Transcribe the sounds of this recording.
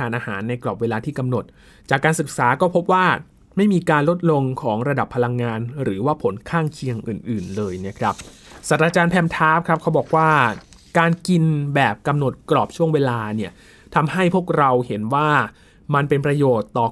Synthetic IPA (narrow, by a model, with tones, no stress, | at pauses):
aː˩˦nʔaː˧ha̰ː˩˦nːa˧jklɔː˨˩p̚weː˧laː˧t̪ʰiː˥˩ka˧mno˨˩t̪̚ | t͡ɕaː˨˩kːaː˧nsɯ˨˩k̚saː˩˦kɔː˥˩pʰo˦˥p̚waː˥˩ | ma˥˩jmiː˧kaː˧nlo˦˥t̪̚lo˧ŋkʰɔː˩˦ŋɾa˧da˨˩pʰːa˧la˧ŋːaː˧nɾɯː˩˦waː˥˩pʰo˩˦nkʰaː˥˩ŋkʰi˧əŋʔɯ̰ː˨˩nʔɯː˨˩nlɤː˧jna˦˥˩kʰɾa˦˥p̚ | saː˨˩t̪̚ɾaː˧t͡ɕaː˧npʰɛː˧mt̪ʰaː˦˥p̚kʰɾa˦˥p̚kʰa˦˥wbɔː˨˩k̚waː˥˩ | kaː˧nki˧nbɛː˨˩p̚ka˧mno˨˩t̪̚klɔː˨˩p̚t͡ɕʰu˥˩əŋweː˧laː˧ni˥˩ɐ | t̪ʰa˧mha˥˩jpʰu˥˩ək̚ɾa˧whe˩˦nwaː˥˩ | ma˧npe˧npɾa˧joː˨˩t̪ːɔː˨˩